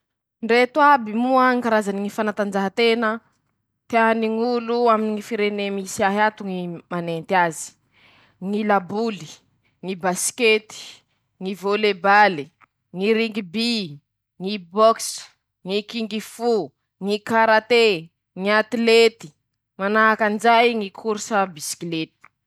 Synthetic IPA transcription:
ɳɖ͡ʐet̪abimuaŋkaɾazaniŋifanat̪and͡ʒaɦat̪enə | t̪eaniŋuluaminŋifiɾenemisiaɦiat̪uŋimanent̪iazi̥ | ŋilabuli̥ | ŋibasket̪i̥ | ŋivolebali | ŋiɾiŋɡibi | ŋibɔks | ŋikiŋɡifu | ŋikaɾat̪e | ŋiat̪ilet̪i̥ | manaɦakand͡ʒajŋikʰuɾsəbiskilet̪i̥

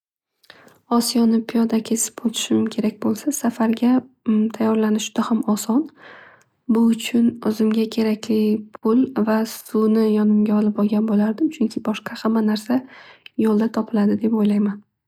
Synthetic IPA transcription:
ɒsijɒnɪpʰijɒd̪akʲʰe̞sɪ̥pot̪ʰɪ̥ʃɪmʊmkʲʰe̞ɾakʲbolˠsasafaɾɡʲa | t̪ʰajːɒɾlanɪʃɪ̥d̪̥ahamɒsɒn | bʊʊt͡ʃʰʊnʊzɪmɡʲakʲʰe̞ɾakʲʰlɪpʰʊlvasʊnɪjɒnɪmɡʲaɒlˠɪpɒlˠɡʲanbolaɾd̪ɪmt͡ʃʰʊŋkʲʰɪbɒʃqʰɑhamːanaɾsajɒlˠd̪at̪ʰɒpʰɪlad̪ɪd̪e̞pojlajman

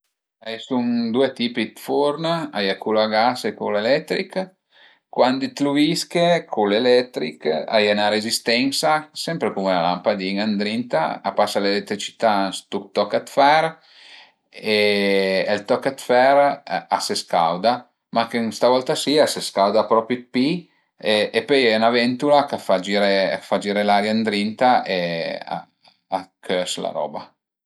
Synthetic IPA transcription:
asund̪uet̪iːpit̪foɾnajakuloaɡasekulelɛt̪ːɾik | kːwand̪it̪luviskekʰulelɛt̪ɾika̰janaɾezist̪ɛnsasɛmpɾekumela̰la̰mpad̪iŋand̪ɾint̪a̰a̰pasalelet̪ːɾit͡ʃi̥t̪anst̪ukt̪ɔkat̪fɛɾ | e | elt̪ɔkːat̪fɛɾaseska̰wd̪a | makeŋst̪avɔlt̪asiaseskawd̪apɾɔpɾit̪̚pi | eepøjɛunavɛnt̪ulakafad͡ʒiɾḛfad͡ʒiɾelaɾjand̪ɾint̪aea̰ː | kʰøsla̰ɾɔ̰ːba̰

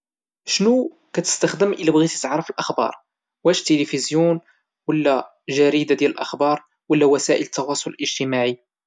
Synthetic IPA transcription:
ʃnu | kæt̪ə̥st̪əxd̪əmʔəlːæbɣit̪it̪ʕɾˤəfəlʔəxbɑ̰ɾˤ | wæʃt̪ːəlifizjun | wəlːæ | ʒæɾid̪ad̪jæləlʔəxbɑɾˤ | wəlːæwæsæʔələt̪ːɑwɑsˤʊləlʔəʒt̪əmaʕi

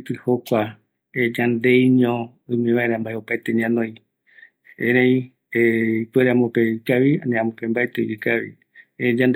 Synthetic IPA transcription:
pɨhokʷa | ed͡ʒãnd̪e̞jɲõ | ɨmĩʋaeɾãmbaeopaet̪eɲãnõjĩ | eɾẽĩ | eipweɾeãmõpekaβiãnẽãmõpembaet̪ejɨkaʋḭ | ed͡ʒãnd̪

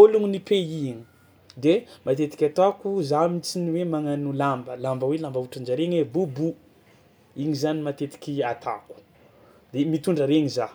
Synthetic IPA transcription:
oluŋinipeiɲi | d̪emat̪et̪i̥kʲat̪akuzamit͡siniwemaŋanulambəlambəwelambauʈ͡ʂand͡ʒaɾeɲwebubu | iɲizanimat̪et̪i̥kʲiat̪a̰ku̥ | d̪̥emit̪uɳɖ͡ʐəɾeɲiza

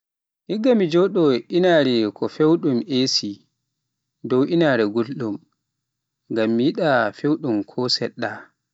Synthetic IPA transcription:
hiɡːamid͡ʒɔɗɔʔinaːɾɛkʰɔfewɗumʔesi | dɔwʔinaːɾɛɡulɗum | ŋɡamːijiɗafewɗumkʰɔsɛɗːa

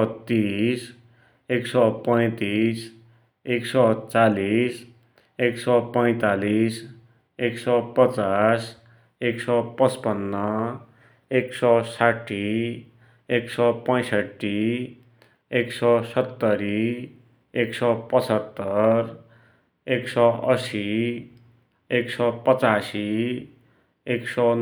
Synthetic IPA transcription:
t̪is | eksʌpʌj̃t̪is | eksʌt͡salis | eksʌpʌj̃t̪alis | eksʌpʌt͡sas | eksʌpʌt͡spʌnːʌ | eksʌsaʈʰːi | eksʌpʌj̃sʌʈːi | eksʌsʌt̪ːʌɾi | eksʌpʌt͡sʌt̪ːʌr | eksʌʌsi | eksʌpʌt͡sasi | eksʌ

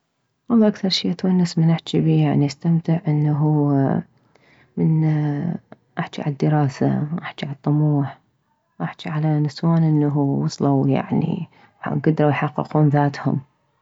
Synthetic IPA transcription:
wɑlˤːɑːʔakθɑɾˤʃiːʔat̪wanːasmɪnaħt͡ʃibiːjaʕniʔast̪amt̪ɪʕʔɪnːaɦu | mɪn | ʔaħt͡ʃiʕa̰lad̪ːəɾˤɑːsa̰ʔaħt͡ʃiʕalt̪ˤːʊmuːħ | ʔaħt͡ʃiʕalanɪswaːnʔɪnːaɦuwɑsˤlawja̰ʕnḭ | ɡad̪ɾˤɑwjħɑqːɨ̰quːnðaːt̪hʊ̰m

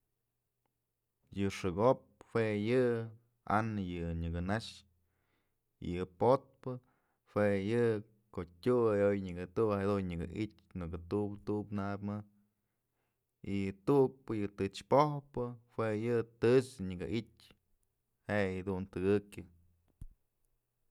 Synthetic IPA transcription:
jɨʂɨɡop̚hwejɨ | a̰nɨjɨɲɨɡɨnaʂ | ḭjɨpot̪̚pɨ | hwejɨ | koʔtʲuajojɲɨɡɨt̪uʔhad̪unɲɨɡɨ̰ʔitʲnɨkɨt̪upt̪upnabmɨ | ijɨt̪uʔk̚pɨjɨt̪ɨt͡ʃpohpɨhwejɨt̪ɨt͡ʃɨɲɨɡɨʔitʲ | hejɨd̪unt̪ɨɡɨkʲɨ

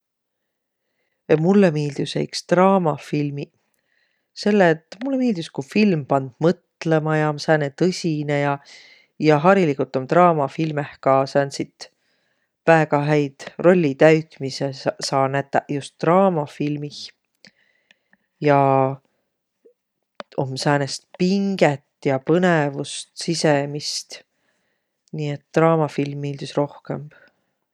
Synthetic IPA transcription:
mulːemiːld̪̥isḛjkst̪rɑːmɑfilmi | se̞lːet̪ːˑmulːemiːld̪̥iskufilmpɑnd̪̥mɤt̪lemɑjɑmsæːnet̪ɤsʲinejɑ | jɑɦɑɾilikut̪ːˑo̞mt̪rɑːmɑfilmehkɑsæːnsit̪ | væeɡɑɦæjd̪̥ro̞lʲːit̪æɥt̪misesɑːnæt̪ːˑɑ̰just̪ːrɑːmɑfilmih | jɑ | o̞mːsæːnest̪̚piŋɡ̥et̪ːˑjɑpɤnevust̪sisemist̪ | niːet̪ːrɑːmɑfilmːiːld̪isro̞hkemb̥

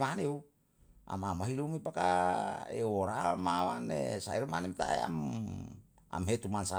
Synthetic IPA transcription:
maneu | a̰mamaɦilumipakaeoɾamawa̰nḛsaiɾmanemt̪a̰ea̰m | a̰mɦet̪umansa

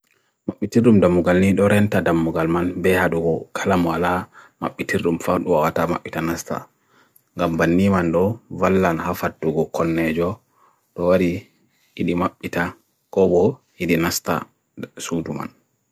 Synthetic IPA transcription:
maɓːitirɗumdamːuɡalniɗɔɾɛntadamːuɡalmanbɛhaɗuɡɔkʰalamwalama̰ɓːitirɗumfaɗuwawatama̰ɓːitanasta̰ | ŋɡambanːimanɗɔvalːanhafat̚duɡɔkɔnːɛd͡ʒɔ | ɗɔwaɾi | hiɗimaɓːita | kɔbɔhiɗinasta̰ | suduma̰n

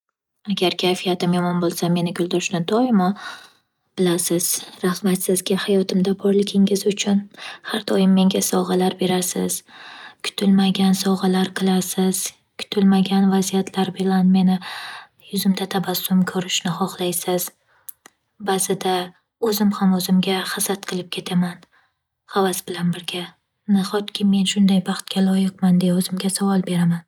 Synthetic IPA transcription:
aɡʲaɾkʲʰajfijat̪ɪmjɒmɒnbolˠsame̞nɪɡʲʊlˠd̪ɒʃnɪd̪ɒjɪmɒ | b̥ɪlasɪz̥ɾaχmat̪sɪzɡʲahajɒt̪ʰɪmd̪abɒɾlɪkʲʰɪŋɪzʊt͡ʃʰʊnhaɾd̪ɒjɪmːe̞ŋɡʲasɒʁɑlaɾbe̞ɾasɪ̰z̥kʰʊ̥t̪ʰɪlmaɡʲansɒʁɑlaɾqʰɨlˠasɪz̥ | kʰʊ̥t̪ʰɪlmaɡʲanvazijat̪ʰlaɾbɪlanme̞nɪ | jʊzɪmt̪ʰat̪ʰabasʊmkʰɵɾɪʃnɪχɒχlˠajsɪz̥ | bazɪd̪a | ɵzɪmhamɵzɪmɡʲahasat̪̚qʰɨlˠɪp̚kʲʰe̞t̪ʰaman | havasbɪlanbɪɾɡʲa | nɪχɒt̪kʲʰɪːe̞nʃʊnd̪ajbɑχt̪̚kʲalˠɒjɨq̚mand̪eɵzɪmɡʲasavɒlˠbe̞ɾaman

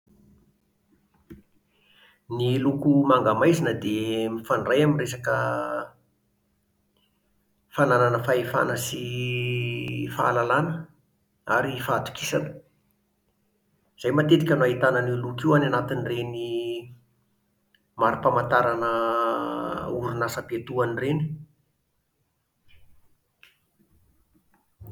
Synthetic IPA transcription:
nilukumaŋɡamajzinəd̪emifanrajaminresakə | fanananəfaefa̰nəsi | fa̰alalanə | aɾifaːt̪u̥kisanə̥ | z̥ajmat̪et̪ikʲənuaɦit̪anəniulukiuananat̪inireni | maɾipamant̪aɾanə | uɾunasəpet̪uanireni̥

